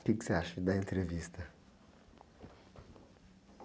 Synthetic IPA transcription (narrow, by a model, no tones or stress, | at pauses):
piksaʃid̪ɐẽnt̪ɾevist̪ɐ